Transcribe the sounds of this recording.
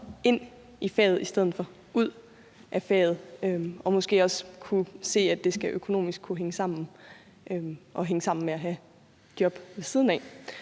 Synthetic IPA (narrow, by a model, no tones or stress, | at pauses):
e̝n̰ | ifɛ̰ːð̞̩ˠisd̥eð̞̰ˠð̩ˠfɒ̽ | uð̞̰ˠ | ʔæfɛ̰ːð̞̩ˠøɒ̽mɒ̽sɡ̥e̝̰ːɒ̽skʰuse̝̰ːæd̥e̝sɡ̥æʔøkʰo̝no̝̰ːmisɡ̥̚kʰuɦeŋəsɑ̈m̰n̩ | ʔøʔɒ̽ɦeŋəsɑ̈m̰n̩meæɦæ | d̥jɒ̽b̥ʋe̝siːð̞ˠn̩ɛː